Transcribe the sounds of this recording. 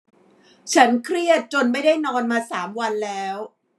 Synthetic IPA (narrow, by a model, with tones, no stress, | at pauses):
t͡ɕʰa˦˥nkʰɾi˥˩ət̪̚t͡ɕo˧nma˥˩jdaː˥˩jnɔː˧nmaː˧saː˩˦mwa˧nlɛː˦˥w